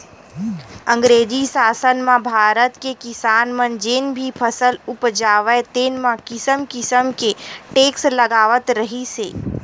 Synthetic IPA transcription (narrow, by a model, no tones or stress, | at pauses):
ə̃ŋɡɾeːd͡ʒisaːsənmãbʱaːɾət̪kekɪsaːnmənd͡ʒenbʱipʰəsəlʊpd͡ʒaːʋɛt̪eːnmãkɪsəmkɪsəmkeʈeːksləɡaːʋət̪ɾəɦisḛː